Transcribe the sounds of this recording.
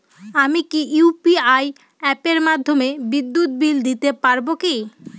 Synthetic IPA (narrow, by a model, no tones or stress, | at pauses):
amikiupiaj | ɛpeɾmad̪ʱːomebid̪ːut̪̚bild̪it̪epaɾboki